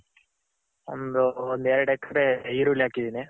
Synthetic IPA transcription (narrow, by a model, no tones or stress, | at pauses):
o̰nd̪uond̪eːɾɐɽekːɾeiɾuːlaːkid̪ini